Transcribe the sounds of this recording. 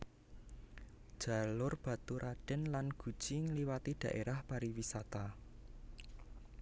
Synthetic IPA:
d̥ʒ̥a̤lʊrb̥ä̤t̪uɾʔaɖ̥ɛ̤nlanɡ̥ṳ̥ʒ̥iŋliwat̪iɖ̥ä̤ʔeɾahpaɾiwisat̪a

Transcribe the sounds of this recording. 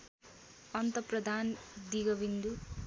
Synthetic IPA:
ʌnt̪ʌprʌd̪ʱand̪iɡʌbind̪u

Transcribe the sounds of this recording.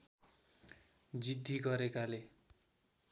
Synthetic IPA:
d͡zid̪ʱːiɡʌɾekale

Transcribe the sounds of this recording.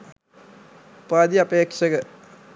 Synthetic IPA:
paːd̪iɐpeːkʂɐɡɐ

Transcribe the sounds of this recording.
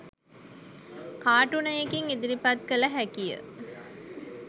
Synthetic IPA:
kaːʈunɐjekiŋid̪iɾipɐt̪̚kəlɐɦækijə̰

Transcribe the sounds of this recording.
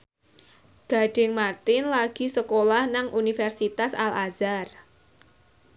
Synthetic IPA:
ɡ̥a̤ɖ̥ɪŋmart̪ɪnlaɡ̥i̤səkolahnaŋʔunifɛrsit̪asalazar

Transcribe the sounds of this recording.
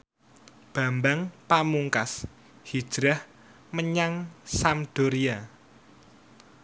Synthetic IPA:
b̥a̤mbaŋpamuŋkas | hi̥ʒ̥ɾah | məɲaŋsamɖ̥oɾia

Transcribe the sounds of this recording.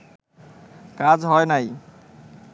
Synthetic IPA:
kad͡ʒɦɔjnəj

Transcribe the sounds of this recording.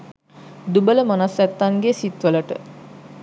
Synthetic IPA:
d̪ubələmanasæt̪ːanɡesit̪ʋələʈə̰

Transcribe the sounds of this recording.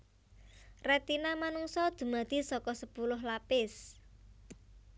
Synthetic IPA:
rɛt̪inamanuŋsɔd̪̥ṳmad̪̥i̤sɔkɔsəpulʊɦlapɪs

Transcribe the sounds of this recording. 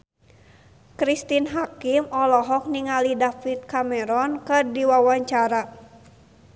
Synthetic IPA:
kɾist̪inɦakimɔlɔɦɔk̚niŋalidafit̪̚kamɛɾɔnkɨrdiwawaɲt͡ʃaɾa

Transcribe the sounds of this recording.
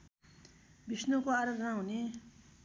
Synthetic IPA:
bisnʌkoaɾʌtrãɦune

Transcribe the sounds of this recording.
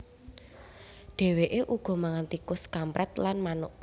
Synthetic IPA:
ɖ̪̥e̤weʔeʔuɡ̥ɔ̤maŋant̪ikʊskampɾɛt̪lanmanʊʔp

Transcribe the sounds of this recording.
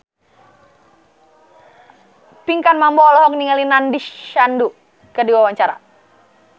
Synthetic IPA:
piŋkanmambɔɔlɔɦɔk̚niŋalinandiandu | kədiwawaɲt͡ʃaɾa̰

